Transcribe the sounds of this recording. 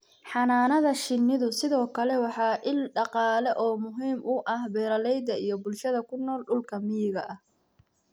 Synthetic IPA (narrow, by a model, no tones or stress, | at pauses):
ħɑnaːnɐðɐʃɪnːɪðʊsɪðɔːkʰɐlɛwɑħɑːʔɪlɖɑqɑːlɛʔɔːmʊɦiːmʔʊʔɐhbɛːɾɐlɛjd̪ɐijɞbʊlʃɐðɐkʰʊnɔːlɖʊlkʰɐmɪjɪɣɐʔɐh